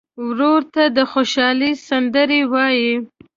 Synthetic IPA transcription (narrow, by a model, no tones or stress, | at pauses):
wɾoɾt̪ad̪əxoʃɑlisand̪əɾewɑji